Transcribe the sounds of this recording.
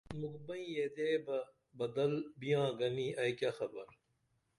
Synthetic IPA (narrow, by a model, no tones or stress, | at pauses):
mukbɐ̃ĩjed̪eːbɐ | bɐd̪ɐlbijãːɡɐniːʔɐjkaxɐbɐɾ